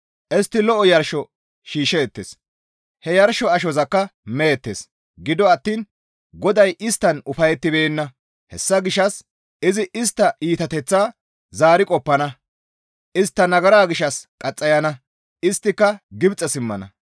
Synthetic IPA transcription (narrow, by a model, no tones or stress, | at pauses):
ʔɛst̪ːɪlɔʔɔjɐɾʃɔ | ʃiːʃɛːt̪ːeːs | hɛjɐɾʃɔɐʃɔzɐkːɐmɛjɛt̪ːḛːs | ɡɪd̪ɔɐt̪ːiːn | ɡɔd̪ɐjʔɪst̪ːɐnʊfɐjɛt̪ːɪbeːnːɐ | hɛ̰sːɐɡɪʃːɐs | ʔɪzɪʔɪst̪ːɐʔiːt̪ɐt̪ɛt͡sːaː | zaːɾɪkʼɔpːɐnɐ | ʔɪst̪ːɐnɐɡɐɾaːɡɪʃːɐskʼɐt͡sʼːɐjɐnɐ | ɪst̪ːɪkːɐɡɪbt͡sʼːɐsɪmːɐnɐ̰